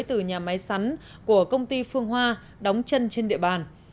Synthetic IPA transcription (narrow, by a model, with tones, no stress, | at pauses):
jt̪ɨ˨˩ɲaː˨˩ma˨˦jsa˨˦ŋ | ku˧˩əkə˧wŋ͡mt̪i˧fɨ˧əŋɦwaː˧ | ɗɔ˨˦wŋ͡mt͡ɕə˧nt͡ɕe˧nɗḭ˧˨əɓaː˨˩n